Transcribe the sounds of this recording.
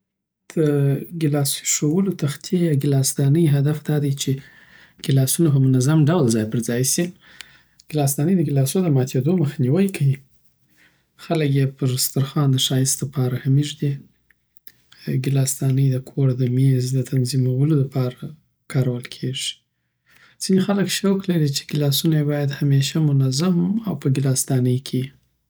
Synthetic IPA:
d̪̥əɡɪlɑsʂowəlot̪axt̪jejɑɡɪlɑst̪ɑnəjɦad̪afd̪ɑd̪ajt͡ʃe | ɡ̥ɪlɑsunopəmʊnazamɖawlzɑjpəɾzɑjsi | ɡ̥ɪlɑs̬t̪ɑnəjd̪əɡɪlɑsond̪əmɑt̪ʰed̪oməxniwajkʰawi | xaləkjepəʐɪst̪aɾxɑnd̪əʃɑjɪst̪d̪əpɑɾahamiʐd̪i | ɡɪlɑst̪ɑnəjd̪əkʰoɾd̪əmezd̪ət̪ʰanzimawəlod̪əpʰɑɾa | kʰɑɾawəlkʰeʐi̥ | z̥inexaləkʃawklaɾit͡ʃe̥ɡɪlɑsunajebɑjad̪hameʃamʊnazamawpəɡɪlɑst̪ɑnəjkʰe

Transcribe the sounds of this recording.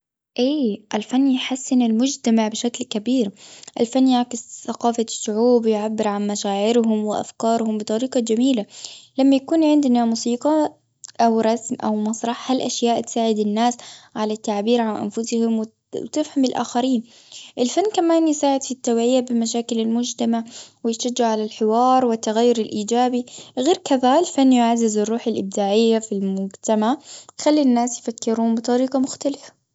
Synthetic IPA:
ʔeːʔalfanːjħasːɪnɪlmʊd͡ʒt̪amaʕbɪʃaklkabiːɾʔɪ̰lfanːjaʕkɪsθaqɑːfasːʊʕuːbjʕabːɪɾʕanmaʃaːʕɪɾɦʊmwɪʔa̰fkɑːɾˤhʊmbɨt̪ˤɑɾiːqɑd͡ʒamiːlalamːajakuːnʕɪnd̪namuːsiːqɑ | ʔawɾˤɑsmʔa̰wmɑsˤɾˤɑħhalʔaʃjaːʔt̪saːʕɪd̪ɪnːaːsʕalat̪ːaʕbiːɾʕanʔa̰nfʊshɪmw | t̪ɪfhamɪlʔa̰ːxaɾiːn | ʔɪlfanːkamaːnjɪsaːʕɪd̪fit̪ːawʕɪjabɪmaʃ̬aːkɪlɪlmʊd͡ʒt̪amaʕwɪjʃad͡ʒːɪʕalalħɪwɑːɾˤwɪt̪ːaɣajːʊɾɪlʔiːd͡ʒaːbiɣeːɾkaðaɪlfanːjʊʕazːɪzɪrˤːuːħalʔɪb̚d̪aːʕɪjːafilmʊd͡ʒt̪amaʕjxalːinːaːsjfakːɪɾuːmbɨt̪ˤɑɾiːqɑmʊxt̪alɪfḁ

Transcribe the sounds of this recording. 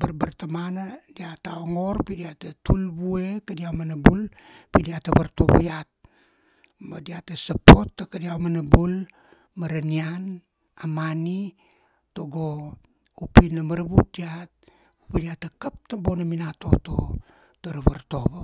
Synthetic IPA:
baɾbaɾtamanadiataoŋo̞ɾpidiatatulbuekadiawmanabulpidiataβaɾtoβṵjat̚ | madiatasapo̞tːakadiawmanabul | maɾanian | amani | toɡo | upinamaɾbut̚diat̚ | upidiatakap̚tabo̞naminato̞to | taɾaβaɾtoβa

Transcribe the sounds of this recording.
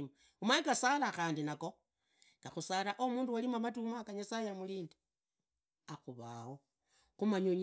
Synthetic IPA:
m | umaikasalaxaːndinako | ŋɡaxusalaʔomuːnduwalimamatumakaɲasajamuliːndi̥ | axuβa̰ho̞ | xumaɲoɲ

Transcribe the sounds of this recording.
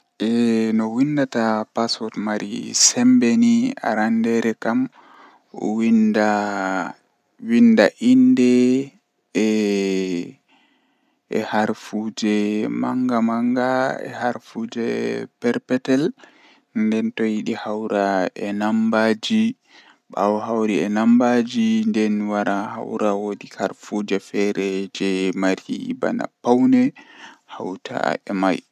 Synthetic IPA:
ʔɛnɔwindatapasɔtmaɾḭsɛmbɛnia̰ɾandɛɾɛkam̰ | winda | windaʔindɛ | ɛ̰haɾfud͡ʒɛma̰ŋɡamaŋɡaɛ̰haɾfud͡ʒɛpɛɾpɛtɛl | ndɛntɔjiɗihawɾaɛnambad͡ʒi | ɓa̰wɔɦawɾiɛnambad͡ʒindɛnwaɾaha̰wɾawodikaɾfud͡ʒɛfɛɾɛd͡ʒɛmaɾiba̰na̰pːawnɛhawtʰa̰ɛmaj

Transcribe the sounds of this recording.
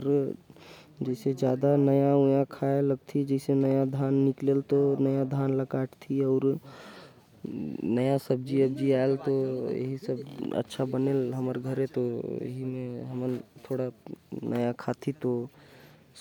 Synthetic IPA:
ɾ | d͡ʒɛɪsed͡ʒjaːd̪anəjaũjãkʰaeləɡ̚t̪ʰid͡ʒɛɪsenəjad̪ʱaːnːɪklelt̪onəjad̪ʱaːnləɡaʈʰt̪ʰiɔʊɾ | nəjasəb̚d͡ʒiəbd͡ʒiaelt̪ojḛɦisəbə̰tːʃʰabənelɦəməɾɡʱəɾet̪ojḛɦimẽɦəmənt̪ʰoɽanʔəjakʰat̪ʰit̪o

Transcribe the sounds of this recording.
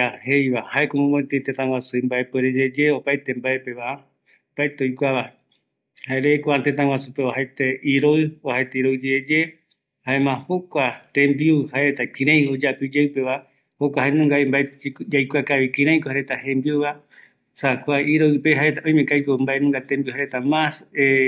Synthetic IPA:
ahejβahaekomõmõet̪et̪ẽt̪ãwasuĩmbaepeɾed͡ʒed͡ʒeopaet̪embaepe̞ʋa | mbaet̪eojkʷaβa | haeɾeːkʷaat̪ẽt̪ãwasupeohaet̪eʔiɾoɨohet̪aiɾoɨd͡ʒeed͡ʒe | haemãhokʷat̪ẽmbiuhaeɾet̪akĩɾãj̃od͡ʒapɨd͡ʒewpe̞ʋa | hokʷaɦaenũŋɡaimbaed͡ʒajkʷakaʋikĩɾ̃ãj̃kohaɾet̪ahẽmbiuβa | sakʷaiɾoɨpeɦaet̪aõj̃mẽkajkombaʔenũŋɡat̪ẽmbiuhaɾet̪amãse

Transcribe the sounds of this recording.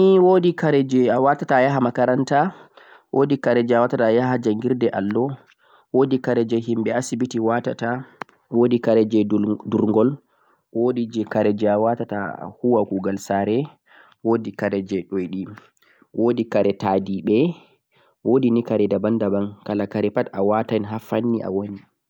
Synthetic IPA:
niwodikaɾɛd͡ʒɛawatatajaɦamakaɾanta | wodikaɾɛd͡ʒɛawatatajaɦad͡ʒaŋɡiɾdɛʔalːɔ | wodikaɾɛd͡ʒɛɦimɓɛasibitiwata̰ta | wodikaɾɛd͡ʒɛduɾŋɡɔl | wodid͡ʒɛkaɾɛd͡ʒɛawatata̰huwakuɡalsaɾɛ | wodikaɾɛd͡ʒɛɗojɗi | wʔodikaɾɛtadiɓɛ | wodinikaɾɛdabandabankalakaɾɛpatawatanɦafanːiʔa̰woni

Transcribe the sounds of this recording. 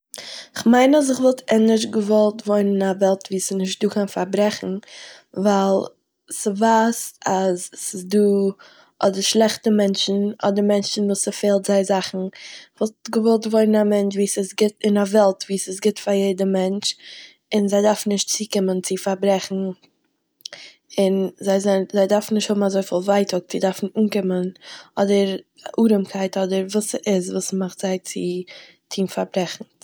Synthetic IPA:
ɪχmaɪnas̬ɪχvɔlˠtʰɛnɪʃ̬ɡəvɔlˠtvɔɪnɪnavɛlˠtviːsɪnɪʃt̚duːkʰanfaɾbɾɛχn̩ | vaɪlˠ | sɪvasazsɪsduː | ʔɔdəɾʃlˠɛχtəmɛnt͡ʃn̩ɔdəɾmɛnt͡ʃn̩vuːsɪfeːlˠtz̥aɪzaχn̩ɪvɔlˠtɡəvɔlˠtvɔɪnənamɛnt͡ʃviːsɪsɡɪtɪnavɛlˠtviːsɪsɡɪtfaɾjeɪdəmɛnt͡ʃ | ɪnzaɪdaɾfn̩nɪʃt̚t͡siːkɪmənt͡sɪfaɾbɾɛχn̩ | ɪnzaɪzanzaɪdaɾfn̩nɪʃthʊbm̩azoɪfiːlˠvaɪtʰʊk̚t͡sɪdaɾfn̩uːnkɪmənɔdəɾ | aʔuːɾəmkʰaɪtɔdəɾvuːsʔɪzvuːsmaχtz̥aɪt͡sɪ | tʰiːmfaɾbɾɛχn̩

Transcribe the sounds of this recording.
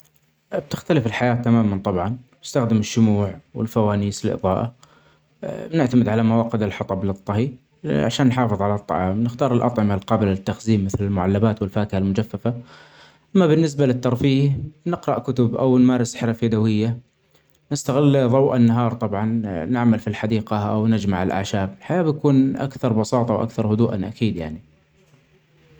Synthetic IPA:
bt̪ɪxt̪alɪfɪlħajaːt̪ːamaːmant̪ˤɑbʕɑnnɪst̪axd̪ɪmɪʃːʊmuːʕwɪ̰lfawaːniːsɪlʔɨ̰ðˤɑ̰ːʔa̰ | nɪʕt̪amɪd̪ʕalamawɑːqɪd̪ɪlħɑt̪ˤɑblɨt̪ˤːɑhiː | ʕa̰ʃaːnːħɑːfɨðˤʕalat̪ˤːɑ̰ʕɑːmnɪxt̪ɑːɾˤɪlʔɑ̰t̪ˤʕɪmalqɑːbɪlaɪt̪ːaxziːmːɪθlɪlmʊʕalːabaːt̪wɪlfaːkɪhalmʊd͡ʒafːafa | ʔʔamːabɪnːɪs̬balɪt̪ːɑɾˤfiːhnɪqɾˤɑʔkʊt̪ʊbʔa̰wnmaːɾɪsħɾafad̪awɪjːa | nɪst̪aɣɪlːðˤɑwʔanːaɦɑːɾˤt̪ˤɑbʕɑnnɪʕmalfilħad̪iːqaʔawnɪd͡ʒmaʕɪlʔa̰ʕʃaːbɪlħajaːbjakuːnʔa̰kθɑɾˤbɑsɑːt̪ˤɑwʔa̰kθɑɾˤhʊd̪uːʔa̰nʔa̰kiːd̪ja̰ʕni

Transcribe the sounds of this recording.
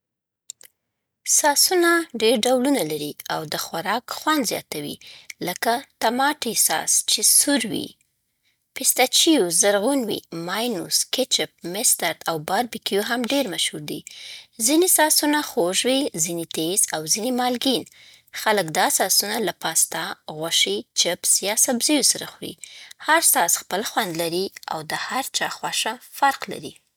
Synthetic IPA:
sɑsunaɖeɾɖawlunalaɾiawd̪əxwaɾɑkxwand̪zjɑ̰t̪awḭləkat̪amɑʈisɑ̰st͡ʃesuɾwḭ | pɪst̪at͡ʃijozaɾɣunwḭmɑjnṵskɪt͡ʃɪp̚mɪst̪aɾt̪awbɑɾbikijoɦamɖeɾmaʃhuɾd̪ḭzinisɑsunaxoʒwizinit̪ezawzinimɑlɡin | xaləkd̪ɑsɑsunalapɑst̪aɣwaʃit͡ʃɪpsjɑsabzijosaɾaxɾḭhaɾsɑsxpəlxwand̪laɾia̰wd̪əhaɾt͡ʃɑxwaʃafaɾqla̰ɾḭ

